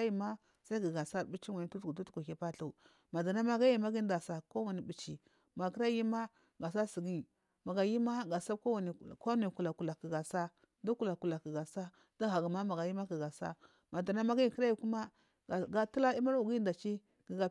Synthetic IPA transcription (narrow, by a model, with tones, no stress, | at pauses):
a˦ji˨ma˦ | sa˦i˦ɡi˨ɡa˨sa˦˨ɾbi˦t͡ʃi˦wa˨ni˨˦tu˦tɡu˨tu˦tkʷa˨ki˨pa˦ɬu˨ | ma˨da˨na˦ma˦ɡa˦ji˨ma˦ɡi˦da˨sa˨ko˦wa˨ni˨bi˨t͡ʃi˨ | ma˨ki˦ɾa˦ji˦ma˦ | ɡa˨sa˦si˨ɡi˦˨ | ma˨ɡa˨ji˦ma˦ɡa˨sa˦ko˦wa˨ni˨ka˦nu˨i˨ku˨la˨ku˨la˨ki˨ɡa˨sa˦ | da˦ku˦˨la˨ku˨la˨ki˨ɡa˨sa˦ | da˦ɣa˨ɡa˨ma˦ma˨ɡa˨ji˦ma˦ɡi˨ɡa˨sa̰˦ | ma˨da˨na˦ma˦ɡa˦ji˨kə˦ɾa˦ji˨ku˦ma˦˨ | ɡa˦tu˦la˦i˦ma˦ɾu˨ɡi˦da˨t͡ʃi˦ | ɡ̥i˨ɡa˨